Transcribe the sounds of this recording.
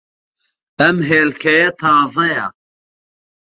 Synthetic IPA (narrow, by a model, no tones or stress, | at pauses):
ɐmɦeːlkʰɐjɐt̪ʰɑːzɐja̰